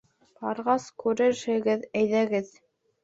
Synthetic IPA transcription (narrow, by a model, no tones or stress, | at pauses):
b̥ɑɾʁɑskʉɾɘɾhɘ̆ɡɘðæjðæɡɘð